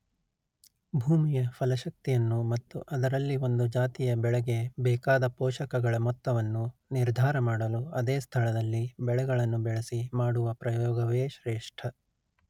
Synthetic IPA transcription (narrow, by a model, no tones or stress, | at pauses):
bʱuːmijɐfʰɐlɐʃɐk̚t̪ijɐnːumɐt̪ːuʔɐd̪ɐɾɐlːio̞nd̪ud͡ʒaːt̪ijɐbɛɭɐɡe̞bɛːkaːd̪ɐpɔːʃɐkɐɡɐɭɐmɔt̪ːɐʋɐnːuniɾd̪ʱaːɾɐmaːɽɐluɐd̪eːst̪ʰɐɭɐd̪ɐlːibɛɭɛɡɐɭɐnːubɛɭesimaːɽuʋɐpɾɐjɔːɡɐʋeːʃɾeːʂʈʰɐ